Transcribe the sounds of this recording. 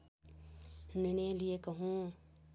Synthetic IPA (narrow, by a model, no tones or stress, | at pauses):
nineliekɐɦũ